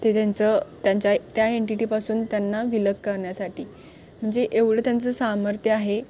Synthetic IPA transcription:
t̪et̪jant͡sət̪jaɲt͡ɕat̪jaeɳʈiʈipasuːnt̪janːaʋiləkkəɾɳjasaʈiː | m̤əɳd͡zeʔeʋɽət̪jant͡səsaməɾt̪ʰjəaɦe

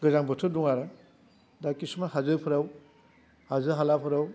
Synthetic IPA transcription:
ɡɯzaŋbɯtʰɯduŋaɾɯ | dakisumaɦazɯpʰɯɾaw | hazɯɦalapʰɯɾaw

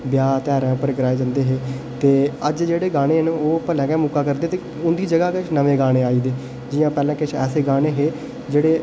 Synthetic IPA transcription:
bjaːt̪ɛːɾɛ̃ːpəɾɡəɾaːeːd͡ʒãːnd̪eːɦeːt̪eːəd͡ʒd͡ʒeːɽeːɡaːɽ̃eːɦənoːpəlɛ̃ːkɛ̃ːmʊkaːkəɾd̪eːt̪eː | ʊnd̪iːd͡ʒəɡaːkɪt͡ʃʰnəʋẽːɡaːɽ̃eːaːiːd̪eː | d͡ʒɪjãːpɛːlɛ̃ːkɪt͡ʃʰɛ̰ːseːɡaːɽeːɦeː | d͡ʒeːɽeː

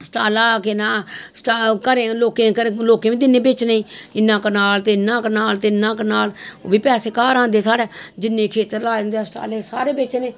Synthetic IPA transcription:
sə̥ʈaːlaːkɪnãːsʈːkəɾẽːloːkeːkəɾẽːloːkẽːʋĩːd̪ɪnːẽːbeːt͡ʃneĩːɪnːãːkənaːlt̪eːɪnːãːknaːlt̪eɪnːãːkənaːlo̰ːbiːpɛːseːkaːɾãːnd̪eːsaːɽɛːd͡ʒɪnːẽːkʰeːt̪əɾlaːnd̪eaːsəʈa̰ːleːsaːɾeːbeːt͡ʃneː

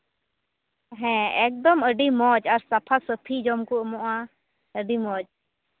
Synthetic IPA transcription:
ɦɛ̃ɛk̚d̪ɔməɖimɔd͡ʒaɾsapʰasəpʰid͡ʒɔmkɔʔmɔʔa | əɖimɔd͡ʒ

